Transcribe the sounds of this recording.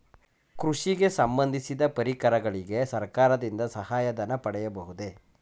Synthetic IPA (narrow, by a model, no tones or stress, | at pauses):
kɾuʂiɡe̞sɐmbɐnd̪ʱisid̪ɐpɐɾikɐɾɐɡɐɭiɡe̞sɐɾkaːɾɐd̪ind̪ɐsɐɦaːjɐd̪ɐnːɐpɐɽɛjɐbɐɦud̪e̞